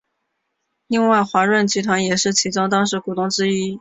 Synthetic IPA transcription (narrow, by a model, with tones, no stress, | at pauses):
li˥˧ŋwa˥˩ɪxwa˧˥ɻwə˥˩nt͡ɕi˧˥t̪ʰwa˧˥njɛ˨˩ʂɻ̩˥˩t͡ɕʰi˧˥ʈ͡ʂʊ˥ŋt̪ɑ˥ŋʂɻ̩˧˥ku˨˩t̪ʊ˥˧ŋʈ͡ʂɻ̩˥i˥